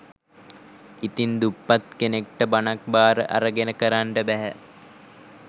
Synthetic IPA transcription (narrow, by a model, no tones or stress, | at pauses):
it̪ind̪upːat̪kenek̚ʈəbanak̚baːɾəʔa̰ɾəɡenəkəɾaɳʈəbæɦæ̰